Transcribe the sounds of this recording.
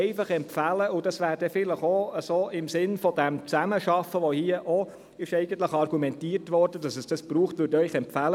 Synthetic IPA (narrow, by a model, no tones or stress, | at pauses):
ɛɪfɑχɛmpfæləʊd̥ɑsʋæːɾd̥ɛfɪləχoəsoːɪmsɪnfɔdɛmt͡sæməʃɑfəʋohiːəʔo | ɪʃɛɪɡ̥ən̩t̪ləχɑrɡ̥umɛntiːəɾtʋɔɾd̥ədɑsɛsd̥ɑsb̥ɾuːχtʋʉɾtœʏχɛmpfælə